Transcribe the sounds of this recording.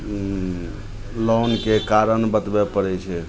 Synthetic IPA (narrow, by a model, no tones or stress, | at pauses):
lɔnkekaɾənbət̪bɛpəɾɛt͡ʃʰɛ